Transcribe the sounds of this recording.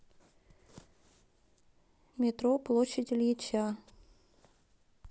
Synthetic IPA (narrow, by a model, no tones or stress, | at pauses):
mʲɪt̪ɾoplˠoɕədʲɪlʲjɪt͡ɕa